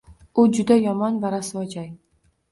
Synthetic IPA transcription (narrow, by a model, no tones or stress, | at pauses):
ʊd͡ʒʊd̪ajɒmɒnvaɾasɪɒd͡ʒaj